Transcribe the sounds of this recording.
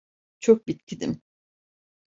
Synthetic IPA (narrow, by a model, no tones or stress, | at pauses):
t͡ʃʰok̚bit̪cʰid̪ḭm